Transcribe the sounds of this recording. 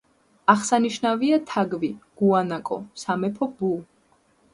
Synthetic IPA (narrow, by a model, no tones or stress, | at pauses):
aχsaniʃnaviat̪ʰaɡviɡ̥uanakʼɔ̰samɛpʰɔbu